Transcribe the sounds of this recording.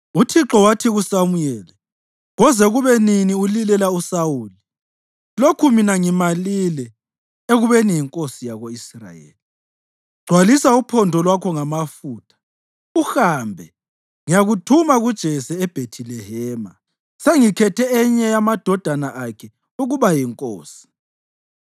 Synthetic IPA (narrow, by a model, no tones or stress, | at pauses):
utʰiǁɔwatʰiɣusamujɛːlɛ | ɣɔzɛɣuβɛniniulilɛlausawuːli | lokʰuminaŋimalilɛ | eɣuβenijiŋkʼosijaɣoisra̰jḛːli | ɡ͡ǀʱwalisaupʰɔndʱɔlwakʰɔŋamafuːtʰḁ | uxambʱɛ | ŋijaɣutʰumaɣud̥ʒ̥ʱɛsɛːb̥ʱetʰilɛɦɛːma | seŋikʰɛtʰɛɛɲɛjamad̥ʱɔd̥ʱanaʔakʰɛ | uɣuβajiŋkʼo̰ːsi̥